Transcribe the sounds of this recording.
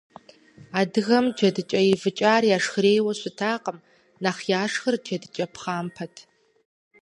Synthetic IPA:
aːdɨɣɐmd͡ʒɐdɨt͡ʃʼɐjɪvɨt͡ʃʼaːrjaːʂxɾeːjwɐɕʷɪtʰaːqʼəm | naːχjaːʂxɨrd͡ʒɐdɨt͡ʃʼɐpʰχaːmpʰɐtʰ

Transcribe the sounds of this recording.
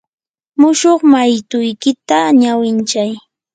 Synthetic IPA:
mʊʃoχmajt̪ʊjkɪt̪aɲawɪnt͡ʃaj

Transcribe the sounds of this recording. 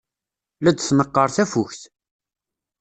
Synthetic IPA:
læd̪θnəqːəɾˤθæfuçθ

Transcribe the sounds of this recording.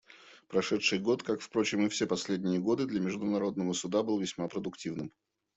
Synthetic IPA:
pɾɐʂɛt̪ʂɨjɡo̞t̪kakfpɾo̞t͡ɕɪmɨfsʲe̞pɐsʲlʲedʲnʲɪjəɡo̞d̪ɨd̪lʲəmʲɪʐd̪ʊnɐɾo̞d̪nəvəsʊd̪abɨlˠvʲɪsʲmapɾəd̪ʊktʲivnɨm

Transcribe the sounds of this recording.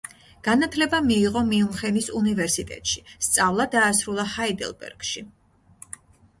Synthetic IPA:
ɡ̥anat̪ʰlɛbamiːʁɔmiumχɛnisunivɛɾsit̪ʼɛ̰t̪ʼʃi̥st̪sʼavlˠad̪aːsɾulˠahaid̪ɛ̰lˠbɛ̰ɾɡ̥ʃi

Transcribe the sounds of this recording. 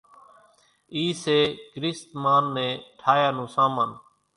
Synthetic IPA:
iːseːkɾɪst̪maːnːẽːʈʰaːjaːnũːsaːmaːn

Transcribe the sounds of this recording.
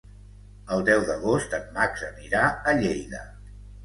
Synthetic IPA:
əlˠd̪ɛwðəɣost̪ənmaɡzəniɾaəʎejðə

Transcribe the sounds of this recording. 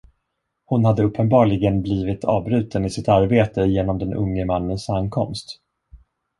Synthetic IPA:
hʊnhad̪ːəɵpʰːənbɑːɭɪɡənbliːvɪt̪ʰɑ̰ːvbɾʉ̟ːt̪ənɪsɪt̪aɾbeːt̪əjeːnɔmd̪ɛnɵ̰ŋːəmanːənsankʰɔmst̪

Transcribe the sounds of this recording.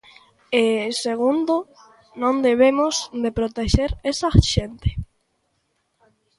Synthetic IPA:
eseɣ̞ũnd̪o | nõnd̪eβ̞emozd̪epɾot̪eʃeɾesaʃent̪e̥

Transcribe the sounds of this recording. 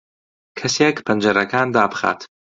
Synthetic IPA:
kʰɐseːkpʰɨnd͡ʒɐɾɐkaːnd̪aːbɨxa̰ːt̪

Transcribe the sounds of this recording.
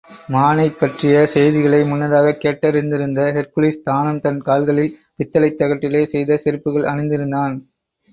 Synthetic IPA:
maːnɐɪpːɐʈrɪjɐsɛjðɪɣɐɭɐɪmʊnːɐðaːɣɐkeːʈːɐɾɪnd̪ɪɾɯnd̪ɐhɛɾkʊlɪst̪aːnɯmt̪ɐnkaːlɣɐɭɪl | ʋɪt̪ːɐlɐɪt̪ːɐɣɐʈːɪleːsɛjðɐsɪɾɯpːɯɣɐɭɐɳɪnd̪ɪɾɯnd̪aːn

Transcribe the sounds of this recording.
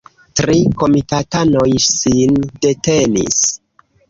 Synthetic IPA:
tɾiko̞mitatano̞jsinde̞te̞nḭs

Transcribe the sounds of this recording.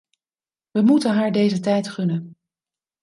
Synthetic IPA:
ʋəmutənɦaːɹdejzətɛjtχɵnən

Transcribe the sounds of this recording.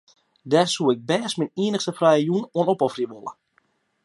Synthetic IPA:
dɛsuɪɡ̚bɛːsminiənəxstəfrɛjəjunoənopɔfriəʋolˠə̰

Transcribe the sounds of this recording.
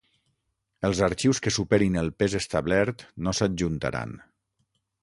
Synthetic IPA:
əlˠzaɾt͡ʃiwskəsupeɾinəlˠpezəst̪aβlɛɾt̪nosad͡ʒʒunt̪a̰ɾa̰n

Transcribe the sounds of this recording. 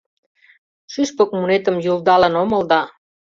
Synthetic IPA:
ʃyʃpok̚munet̪əmjuld̪ɑlənomə̆ld̪ɑ

